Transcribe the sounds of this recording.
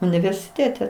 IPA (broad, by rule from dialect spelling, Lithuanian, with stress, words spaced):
ʊnʲɪʋʲɛrʲsʲɪˈtʲeːtʲɛ